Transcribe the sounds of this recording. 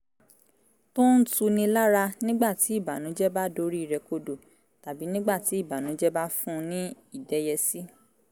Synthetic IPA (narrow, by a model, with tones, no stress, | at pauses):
tõ˦n̩˦tu˧nĩ˧la˦ɾa˧nĩ˦ɡ͡ba˦˨ti˨˦i˦˨ba˨nũ˨˦d͡ʒɛ˦ba˦do˧˦ɾi˦i˨ɾɛ˧ko˧do˨ | ta˨bi˨˦nĩ˦ɡ͡ba˦˨ti˨˦i˦˨ba˨nũ˨˦d͡ʒɛ˦ba˦fũ˦˧nĩ˦ | i˦˨dɛ˨˦jɛ˧si˦